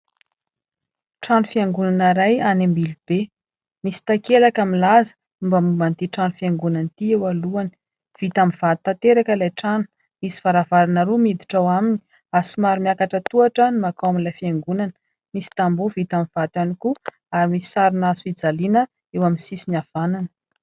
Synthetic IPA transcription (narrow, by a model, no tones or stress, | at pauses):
ʈ͡ʂanufiaŋɡunanaɾajanambilub̥e | misi̥t̪akelakamilazə̥ | umbamumbant̪iʈ͡ʂanufiaŋɡunant̪iewaluani̥ | v̥it̪amiv̥at̪t̪at̪eɾakəlajʈ͡ʂanu̥ | misi̥v̥aɾavaɾanaɾumid̪i̥ʈ͡ʂawamini̥ | asimaɾimiakaʈ͡ʂət̪uaʈ͡ʂənimakawaminlajfiaŋɡunanə̥ | misi̥t̪ambuvit̪amiv̥at̪aniku | aɾimisi̥saɾunasuid͡zalinə | ewaminsisinav̥ananə̥